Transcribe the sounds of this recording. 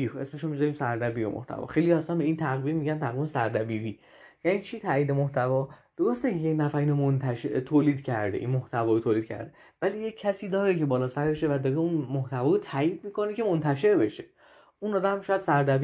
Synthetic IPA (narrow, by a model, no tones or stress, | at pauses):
iesmeʃomizɒɾiːmsæɾd̪æbiːɾomʔo̰ht̪ʰæ̰vɒ̰ːxe̞jlijæsænbe̞iːnt̪ʰæɣvimmːiɟænt̪ʰæɣvimsæɾd̪æbiːviː | jænit͡ʃʰiːt̪ʰæːiːd̪emoht̪ʰævɒːd̪̥oɾost̪ekeenæfæɾiːnomont̪ʰæʃet̪ʰoːliːd̪cʰæ̰ɾd̪eʔinmoht̪ʰævɒːɾot̪ʰoːliːd̪̚cʰæ̰ɾd̪e | væliːjeːæsiːd̪ɒːɾecʰe̞bɒːlɒːsæɾbe̞ʃevæd̪ɒːɾeunmoht̪ʰævɒːɾot̪ʰæːiːd̪̚miːko̞ne̞kcʰe̞mont̪ʰæʃe̞ɾbe̞ʃe̞ | unɒːd̪æmʃɒːjæd̪̥sæɾd̪æb